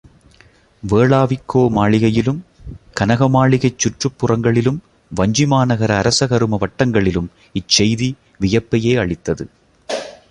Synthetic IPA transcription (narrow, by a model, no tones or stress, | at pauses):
ʋeːɭaːʋɪkːoːmaːɭɪɣɐjɪlɯmkɐnɐɣɐmaːɭɪɣɐɪt͡ʃːʊʈrɯpːɯrɐŋɡɐɭɪlɯm | ʋɐɲd͡ʒɪmaːnɐɣɐɾɐːɾɐsɐɣɐɾɯmɐʋɐʈːɐŋɡɐɭɪlɯm | ɪt͡ʃːɛjði | ʋɪjɐpːɐjeːɐɭɪt̪ːɐðɯ̰